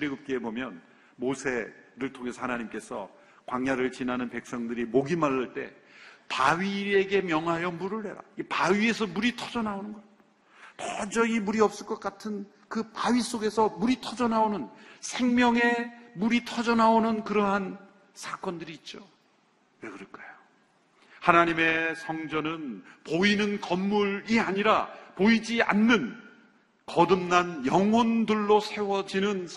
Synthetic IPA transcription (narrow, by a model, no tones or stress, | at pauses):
ɾiɡɯp̚k͈eebomjʌn | mosʰe̞ɾɯɭtʰoŋe̞sʰʌhanaɲimk͈e̞sʰʌ̰ | kwaŋjaɾɯɭt͡ɕinɦanɯnpe̞k̚s͈ʌŋdɯɾimoɡimaɭːaɭt͈e̞̰ | paɥie̞ɡe̞mjʌŋɦajʌmuɾɯɭhe̞ɾa̰ipaɥie̞s̬ʰʌmuɾitʰʌd͡ʑʌnaonɯnɡʌ | tʰʌd͡ʑʌɡimuɾiʌp̚s͈ɯɭk͈ʌk͈atʰɯn | kɯpaɥis͈oɡe̞sʰʌmuɾitʰʌd͡ʑʌnaonɯnsʰe̞ŋmjʌŋe̞muɾitʰʌd͡ʑʌnaonɯnkɯɾʌɦan | sʰak͈wʌndɯɾiːt̚t͡ɕ͈o | wekɯɾʌk͈ajo | hanaɲime̞sʰʌŋd͡ʑʌnɯnpoinɯnkʌmːuɾiaɲiɾapoid͡ʑia̰nːɯn | kʌdɯmnanjʌŋwondɯɭːosʰe̞wʌd͡ʑinɯns